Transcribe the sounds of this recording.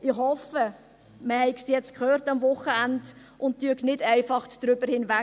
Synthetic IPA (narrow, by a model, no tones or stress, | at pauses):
ɪχhɔfə | məhɛɪksjɛt͡stkʰχøːɾtɑmvʊχəænd | ʊnttyəknɪdæɪfɑχd̥ɾʏbəɾhɪnvæ